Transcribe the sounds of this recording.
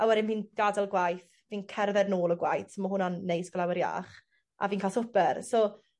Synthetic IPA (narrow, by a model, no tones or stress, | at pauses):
awɛɾɪmhiːnɡ̥adalˠɡwajθ | viːnkʰɛrvɛdnoːlˠɔɡwajθmahʊnɔnːejsɡ̥lˠawəɾja̰ːχ | ʔa̰viːnkʰalˠsʊpɛrsɔ